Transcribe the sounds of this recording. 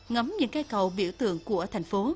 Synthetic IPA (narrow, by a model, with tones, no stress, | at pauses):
ŋə˨˦mɲɨ̰˧˥ŋkaː˧jkə˨˩wɓḭ˧˩əwt̪ɨ̰˧˨əŋku˧˩ət̪ʰa˨˩jŋ̟fo˨˦